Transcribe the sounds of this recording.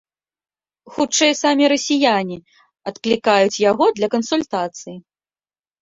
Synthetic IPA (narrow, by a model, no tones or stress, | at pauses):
xut͡ʂɛjsamʲiɾɐsʲijanʲi | ɐt̪klʲikajut͡sʲjaɣɔd̪lʲɐkɐnsulʲt̪at̪sɨji